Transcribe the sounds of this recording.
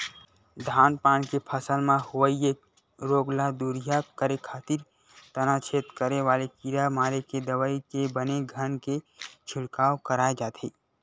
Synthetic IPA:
d̪ʱaːnpaːnkepʰəsəlmãɦuwəie | ɾoːɡlad̪uɾijakəɾekʰaːt̪iɾ | t̪ənat͡ʃʰet̪kəɾeʋaːlekiɾamaːɾeked̪əʋəikebəneɡʱənket͡ʃʰɪɽkaːwkəɾaed͡ʒaːt̪ʰiː

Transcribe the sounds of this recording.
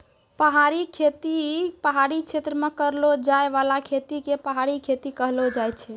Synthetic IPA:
pəɦaɾikʰet̪ipəɦaɾikt͡ʃʰet̪ɾəmekəɾlod͡ʒaeʋalakʰet̪ikepəɦaɾikʰet̪ikəɦlod͡ʒajt͡ʃʰɛ

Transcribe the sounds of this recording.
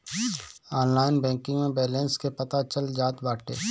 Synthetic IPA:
aːnlaːɪnbɛ̃ːŋkɪ̃ŋɡmẽbɛːleːnskepɐt̪at͡ʃəld͡ʒaːt̪baːʈʰeː

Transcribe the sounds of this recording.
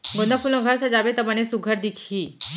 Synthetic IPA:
ɡond̪əpuɾnəɡʱəɾsəd͡zabet̪əbanesuɡʱəɾd̪ikʰiː

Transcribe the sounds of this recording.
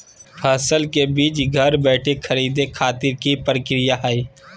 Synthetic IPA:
pʰɛːsəlkebiːt͡ʃɡʱɐɾbɛːʈʰekʰəɾiːd̪ekʰaːt̪ɪɾkipɾəkɾɪjaɦəiː

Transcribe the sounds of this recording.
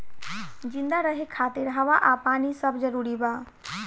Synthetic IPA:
d͡ʒĩnd̪aɾəɦekʰaːt̪iɾɦaʋaʔapaːnisəbd͡ʒəɾuːɾibaː

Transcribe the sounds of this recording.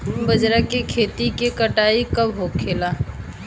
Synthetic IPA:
bəd͡ʒɾakekʰeːt̪ikekəʈaːikɐbɦoːkʰːeːlaː

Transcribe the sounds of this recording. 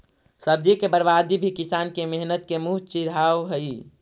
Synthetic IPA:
səb̚d͡ʒikebəɾʋad̪ibʱikisaːnkemeɦnət̪̚kemuɦt͡ʃiɾaːʋɦəi

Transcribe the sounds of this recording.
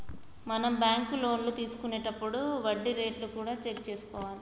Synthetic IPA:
mɐnɐmbjaːŋkulo̞ːnlut̪iːsu̥kuneːʈɐpːuɽuʋɐɖːiɾe̞ːʈlukuːɽaːt͡ʃe̞kt͡ʃe̞ːsu̥kɔːʋaːli

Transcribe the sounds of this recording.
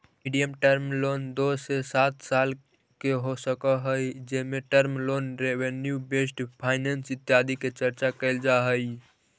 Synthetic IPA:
miɖijəmʈəɾmlond̪osesat̪sal | keɦosəkəɦəjd͡ʒemeʈəɾmloːnɾewenjubesʈpʰaːɪnensɪt̪jad̪iket͡ʃəɾt͡ʃakəɪld͡ʒaɦəj

